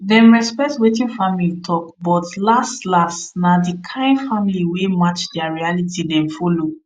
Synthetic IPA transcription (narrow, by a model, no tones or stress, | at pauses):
dɛ̃mɹɛspɛk̚twetĩnfamilitʰɔkbɔtlastlastnadikʰãɪ̃ndfamiliwemat͡ʃdɛaɹialitʰidɛ̃mfɔlo